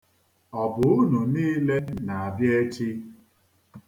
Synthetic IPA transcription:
ɔ˨bʊ˨ʊ˦nu˨niː˦le˦na˨a˨bje˦t͡ʃi˦

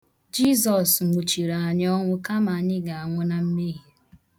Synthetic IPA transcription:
d͡ʒi˦zɔ˨sŋ̩˨ɡ͡bu˨t͡ʃi˨ɾa˨a˨ɲ˦ɔ˦ŋʷʊ˦ka˦ma˨ɲɪ˦ɡa˨a˨ŋʷʊ˦na˦m̩˦mi˦ɦi˨

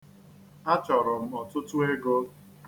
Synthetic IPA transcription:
a˦t͡ʃɔ˨ɾʊ˨m̩˦ɔ˨tʊ˦tu˦ɦe˦ɡo˦

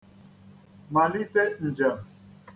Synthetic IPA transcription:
ma˨ni˦t̪e˦n̩˨d͡ʒə˨m

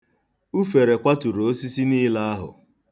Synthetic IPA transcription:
u˦fe˨ɾe˨kʷa˦tu˨ɾo˨o˦si˦si˦ni˦la˦a˦ɦʊ̰˨

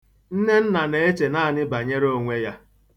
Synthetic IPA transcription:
n̩˦ne˦n̩˦na˨ne˨e˦t͡ʃe˨na˦˨nɪ˦ba˨ɲe˦ɾo˦˨ŋʷe˦ja˦

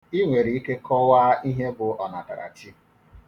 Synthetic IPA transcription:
i˦ŋʷe˨ɾi˨i˦ke˦kʰɔ˦wa˦i˦ɦe˦bʊ˨ɔ˨na˨ta̰˨ɾa̰˨t͡ʃi˦

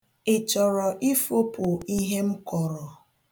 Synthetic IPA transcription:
ɪ˨t͡ʃɔ˨ɾɔ˨ʔi˦fo˦pʊ˨i˦ɦe˦m̩˦kɔ˨ɾɔ˨

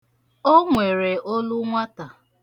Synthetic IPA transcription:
o˦ŋʷe˨ɾe˨ʔo˦lu˦ŋʷa˦ta˨

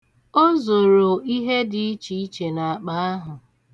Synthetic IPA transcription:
o˦zo˨ɾo˨i˦ɦe˦dɪ˨i˦t͡ʃi˨˦i˦t͡ʃe˨na˨k͡pa˦a˦ɦʊ˨

